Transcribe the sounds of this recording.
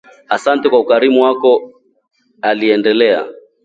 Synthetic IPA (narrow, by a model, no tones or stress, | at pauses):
asantɛkwaukaɾimuwakɔ | aliɛndɛlɛa̰